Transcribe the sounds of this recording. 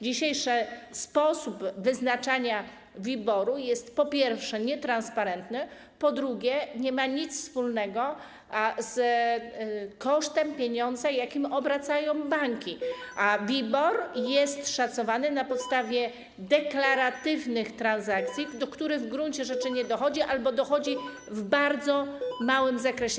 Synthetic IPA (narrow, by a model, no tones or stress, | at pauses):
d͡ʑiɕejʂɛspɔsubvɘznat͡ʂaɲa | vʲibɔɾujɛst̪pɔpʲjɛɾfʂɛɲɛt̪ɾanspaɾɛnt̪nɘ | pɔd̪ɾuɡʲjɛɲɛmaɲit̪sfspulnɛɡɔ | z | kɔʂt̪ɛmpʲjeɲɔnd̪zɛjakʲimɔbɾat̪sajɔ̃w̃baŋkʲiavʲibɔɾjɛst̪ʂat̪sɔvanɘnapɔt̪st̪avʲjɛ | d̪ɛklaɾat̪ɘvnɘxt̪ɾanzakt̪sʲjid̪ɔkt̪uɾɘɣvɡɾuɲt͡ɕɛʐɛt͡ʂɘɲɛd̪ɔxɔd͡ʑiʔalbɔd̪ɔxɔd͡ʑi | vbaɾd̪zɔmawɘmzakɾɛɕɛ